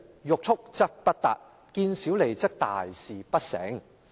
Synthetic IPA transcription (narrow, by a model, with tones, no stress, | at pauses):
jʊ˨k̚t͡sʰʊ˥k̚t͡sɐ˥k̚pɐ˥t̚t̪a̰ː˨˩t̚ | kiː˧nsiː˨˥wle˨˩jt͡sɐ˥k̚t̪a̰ː˨jsiː˨pɐ˥t̚sɛ̰ː˨˥ŋ